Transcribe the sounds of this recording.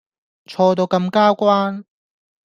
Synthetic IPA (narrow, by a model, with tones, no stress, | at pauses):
t͡ʃʰɔː˧t̪o˧wkɐ˧mkaː˥kʷwaː˥n